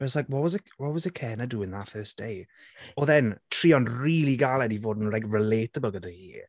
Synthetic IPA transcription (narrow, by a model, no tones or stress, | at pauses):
bɛslajkwɔtwɔzəwɔt̚wɔzəkʰɛnəduɪ̃ŋðafɜːsd̥ejɔðɛntʰriːɔnriːlˠiɡalˠɛdivoːdn̩rajkɹɪleːtəbəl̩ˠɡədəhiː